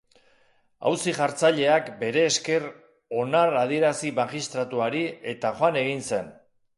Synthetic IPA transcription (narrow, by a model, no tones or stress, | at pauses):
a̰wsiʝaɾt͡saʎe̞akbe̞ɾe̞ːske̞r | o̞narað̞ie̞ɾasimaʝist̪ɾat̪uaɾie̞t̪axoane̞ɣinse̞n